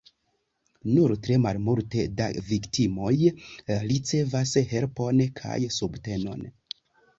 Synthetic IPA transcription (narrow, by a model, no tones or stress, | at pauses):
nuɾtɾe̞malmulteda̰viktimo̞jɾit͡se̞vashe̞lpo̞nkʰa̰jsubte̞no̞̰n